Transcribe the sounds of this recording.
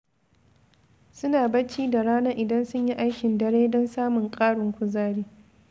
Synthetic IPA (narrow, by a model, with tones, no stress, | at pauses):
sʊ˦naː˨bɐ˦t͡ʃiː˦da˨ɽaː˦na˦ʔɪ˨dɐ˦nsʊ˦ɲji˦ʔa˦jkʲɪ˨ndɐ˦ɽeː˦dɔ˦nsaː˦mʊ˨ŋkʼaː˦ɽʊ˨ŋkʷʊ˦zaː˦ɽiː˦